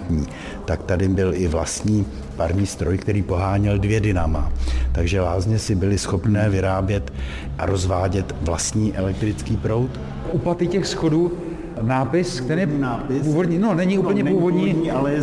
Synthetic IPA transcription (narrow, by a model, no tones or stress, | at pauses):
tɲiː | t̪akt̪adɪbɪlɪvla̰st̪ɲiː | paɾɲiːst̪ɾo̞jkt̪ɛɾiːpo̞ɦaːɲɪldvjɛdɪnama̰t̪aɡʒɛlaːzɲɛsɪbɪlɪsxo̞pnɛːvɪɾaːbjɛt̪ | ʔa̰ɾo̞zvaːɟɛt̪vlast̪ɲiːʔɛlɛk̚t̪ɾɪt͡skiːpɾo̞wt̪ | ʔuplat̪ɪcɛxsxo̞duː | naːpɪskt̪ɛɾiɛɪpuːvodɲinonɛɲɪʔuːppl̩ɲɛpuːvo̞dɲial